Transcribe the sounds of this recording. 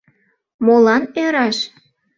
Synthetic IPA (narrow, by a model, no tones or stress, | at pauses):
molɑnøɾɑʃ